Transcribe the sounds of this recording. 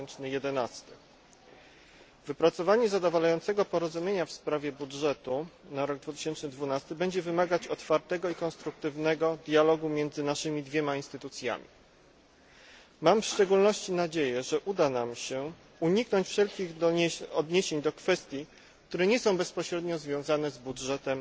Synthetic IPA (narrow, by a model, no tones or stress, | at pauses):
nt͡ʂnɘjɛd̪ɛnast̪ɘ | vɘpɾat̪sɔvaɲɛzad̪ɔvalajɔnt̪sɛɡɔpɔɾɔzumʲjeɲafspɾavʲjɛbudʐɛt̪unaɾɔɡ̚d̪vut̪ɘ̥ɕɛnt͡ʂnɘd̪vunast̪ɘbɛɲd͡ʑɛvɘmaɡat͡ɕɔt̪faɾt̪ɛɡɔikɔnst̪ɾuk̚t̪ɘvnɛɡɔd̪jalɔɡumʲjɛnd̪zɘnaʂɘmʲid̪vʲjɛmainst̪ɘt̪ut̪sʲja̰mʲḭ | mamfʂt͡ʂɛɡulnɔɕt͡ɕinad͡ʑejɛʐɛʔud̪anamɕɛ | uɲiknɔɲt͡ɕfʂɛlkʲiɣɔd̪ɲeɕeɲd̪ɔkfɛst̪ʲji | k̚t̪uɾɛɲɛsɔ̃w̃bɛspɔɕɾɛd̪ɲɔzvʲjɔ̃w̃zanɛzbudʐɛt̪ɛm